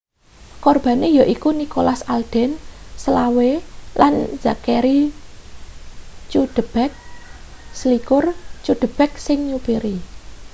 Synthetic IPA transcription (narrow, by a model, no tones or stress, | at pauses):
kɔrb̥ä̤nejɔʔikunikolasald̪̥ɛ̤nsəlawelʔanz̥akeɾi | t͡ʃud̪̥ə̤b̥ɛk̚ | slikʊrt͡ʃuɖ̪̥ə̤b̥ɛk̚sɪŋɲupeɾi